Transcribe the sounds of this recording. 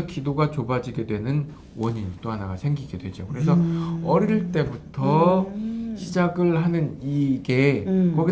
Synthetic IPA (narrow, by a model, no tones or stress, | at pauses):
ʌkidoɡat͡ɕobad͡ʑiɡe̞dwe̞nɯn | wʌɲint͈oɦanaɡasʰe̞ŋɡiɡe̞dwe̞d͡ʑokɯɾe̞s̬ʰʌʌɾiɭt͈e̞butʰʌ | ɕʰid͡ʑaɡɯɭɦanɯniɡe̞kʌɡi